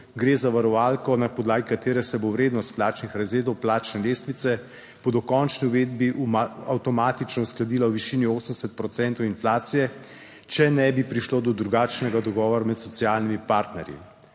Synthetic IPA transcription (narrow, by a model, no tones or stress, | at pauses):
ɡɾeːzaʋaɾɔʋaːlkɔnapɔd̪laːɡikat̪eːɾɛsɛbowɾeːd̪nɔst̪plaːt͡ʃnixɾɛzeːɾd̪ɔwplaːt͡ʃnɛleːst̪ʋit̪sɛ | b̥od̪ɔkɔnt͡ʃniuʋeːd̪̚biʔuawt̪ɔmaːt̪it͡ʃnɔusklad̪iːlawʋiʃinioːsənd̪ɛsɛt̪̚pɾɔt̪sɛnt̪ɔwinflaːt̪sijɛ | t͡ʃɛnɛbipɾiʃloːd̪ɔd̪ɾuɡaːt͡ʃnɛɡad̪ɔɡɔːʋɔɾamɛt̪sɔt̪sijaːlnimipaːɾt̪nɛɾjḭ